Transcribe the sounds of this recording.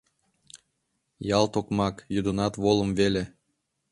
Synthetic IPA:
jɑlˠt̪okmɑkjud̪ənɑt̪βolˠə̆mvele

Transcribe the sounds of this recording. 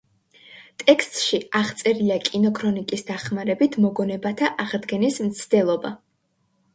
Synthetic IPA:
t̪ʼɛkst̪ʼʃiaʁt̪sʼɛɾiakʼinɔkʰɾɔnikʼisd̪aχmaɾɛbit̪ʰmɔɡɔnɛbat̪ʰaʔaʁd̪ɡɛnismt̪sʰd̪ɛlˠɔba

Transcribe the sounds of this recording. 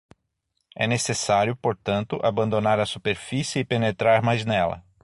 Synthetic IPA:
ɛ̰nesesaɾjʊpoɾt̪ɐ̃nt̪ʊʔabɐ̃nd̪onaɾɐsupeɾfisɪɪpenet̪ɾaɾmajznɛlɐ̰

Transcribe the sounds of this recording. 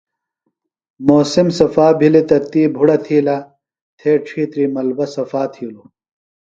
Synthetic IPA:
moːsimsɐfaːbʱilit̪ɐt̪iːbʱuɽɐt̪ʰiːla | t̪ʰeːʈ͡ʂʰiːt̪ɾiːmɐlbɐsɐfaːt̪ʰiːlu

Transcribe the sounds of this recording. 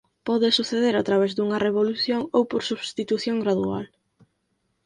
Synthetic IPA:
pɔðɪsuθeðeɾat̪ɾaβ̞ezd̪uŋɐreβ̞oluθjoŋowpoɾsuβst̪it̪uθjoŋɡɾaðua̰l

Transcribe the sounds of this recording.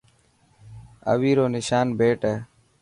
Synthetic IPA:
ə̰ʋiːɾoːnɪʃaːnbeːʈəː

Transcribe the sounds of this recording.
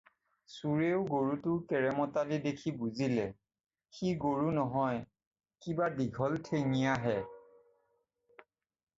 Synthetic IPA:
suɹeʊɡoɹutʊkɛɹɛmɔtalidekʰibuzilɛ | xiɡoɹunɔɦɔj | kibadiɡʱɔltʰeŋijaɦɛ

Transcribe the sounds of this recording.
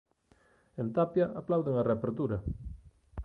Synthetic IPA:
ent̪apjɐʔaplawðeŋareapeɾt̪uɾɐ

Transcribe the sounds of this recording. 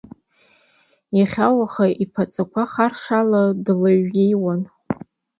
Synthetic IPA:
jaχʲawaχaʔipʰat͡sʼakʷʰaχarʂaladlaɥɡʲejwan

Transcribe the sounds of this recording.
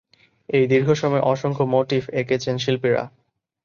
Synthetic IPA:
ejd̪iɾɡʱoʃɔmɔeʔɔʃoŋkʰomoʈifekʰet͡ɕʰenʃilpiɾa̰

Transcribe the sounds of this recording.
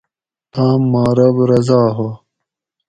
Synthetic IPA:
taːmːaːɾɐbɾɐzaːɦo

